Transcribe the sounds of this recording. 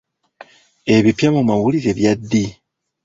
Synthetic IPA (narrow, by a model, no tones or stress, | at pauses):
e̞βipjamumawuliɾeβjadːi